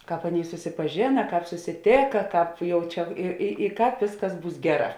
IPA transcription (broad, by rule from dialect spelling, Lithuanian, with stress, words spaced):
ˈkɑːp ˈɑːˌnʲeːɪ sʊsʲɪpɐˈʒʲeːnɐ ˈkɑːp sʊsʲɪˈtʲeːkɐ ˈkɑːp ˈjɛʊ ˈt͡ʃʲɛ ɪ ɪ ɪ ˈkɑːp ˈʋʲeːsˌkɐs ˈbuːs ˈɡʲæːˌrɑː